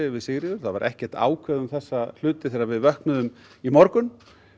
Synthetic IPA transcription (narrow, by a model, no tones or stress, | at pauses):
ɪvɪðsɪɣɾɪðʏɾ̥θaðvaɾʔɛhcɛr̥t̪a̰ːwkʰvɛðʏmθɛsːal̥ʏːt̪ɪθɛːɾaɾvɪðvœhknʏðʏm | imɔɾkʏn